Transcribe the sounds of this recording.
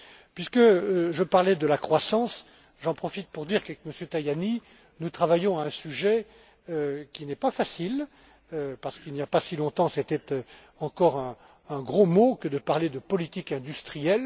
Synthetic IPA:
pɥiskəʒəpaʁlɛd̪əlakχwasɑ̃s | ʒɑ̃pχɔfit̪̚puʁd̪iʁkaɛkməsjøt̪ajani | nut̪χavajɔ̃aɛ̃syʒɛ | økʲinɛpafasil | paʁsə̥kilnijapasilɔ̃t̪ɑ̃sɛt̪ɛt̪ | ɑ̃kɔʁɛ̃ː | ɡʁomokəd̪əpaʁled̪əpɔlit̪ikɛ̃d̪yst̪χijɛl

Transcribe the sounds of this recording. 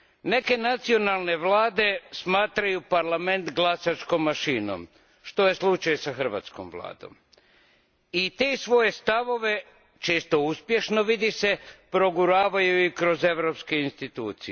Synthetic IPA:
ne̞ke̞nat̪sio̞nalˠne̞ʋlaːd̪e̞smaːt̪ɾajupaɾlame̞nt̪ɡlˠasat͡ʃko̞mːaʃiːno̰m | ʃt̪o̞je̞slˠut͡ʃajsaxr̩ʋa̰ːt̪sko̰mʋlˠa̰ːd̪o̞̰m | it̪esʋo̞je̞st̪aʋo̞ʋe̞ | t͡ʃe̞ːst̪o̞uspje̞ʃno̞ʋid̪ise̞pɾo̞ɡuɾaːʋajuikɾo̞ze̞ʋɾopskeinst̪it̪ṵːt̪sie

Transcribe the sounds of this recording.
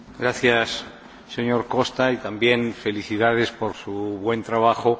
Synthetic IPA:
ɡɾaθjasː | e̞ɲo̞ɾko̞st̪ait̪ambje̞nfe̞liθiðað̞espo̞ɾsuβwe̞nt̪ɾaβ̞axo

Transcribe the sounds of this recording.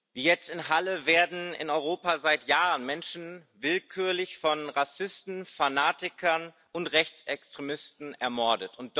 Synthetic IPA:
viːjɛt͡stɪnɦaləveːɐdn̩ɪ̰nɔʏʁoːpazaɪtjaːʁənmɛnʃn̩vɪlkʰyːɐlɪçfɔnʁasɪstn̩fanaːtɪkʰɐn | ʊntʁɛçt͡sɛkstʁ̥emɪstn̩ɛɐmɔɐdətʊnt̚d̥

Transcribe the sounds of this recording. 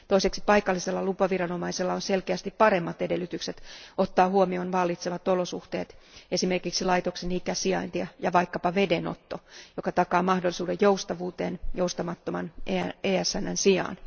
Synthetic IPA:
t̪oiseksi̥pɑikɑlːiselːɑlupɑʋirɑno̞mɑiselːɑonselkeæst̪ippɑɾemːɑt̪ede̞lːyt̪ykset̪ot̪ːɑːhuomionʋɑlːit̪seʋɑt̪olosuht̪eːt̪ | esime̞rkiksilɑit̪oksenikæsiɑ̰int̪iɑjɑʋɑikːɑpɑʋe̞deno̰t̪ːojokɑt̪ɑkɑːmɑhdolisuːdejjoust̪ɑʋuːt̪eːnjoust̪ɑmɑt̪ːomɑneːæsːænːænsiɑ̰ːn

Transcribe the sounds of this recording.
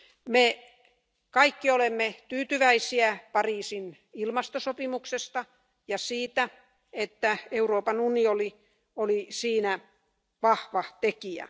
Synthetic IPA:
me | kɑikːiolemːet̪yːt̪yʋæisiæpɑriːsin | ilmɑst̪osopimuksest̪ɑ | jɑsiːt̪æ | et̪ːæeuroːpɑnunioli | olisiːnæ | ʋɑhʋɑt̪ekiæ̰

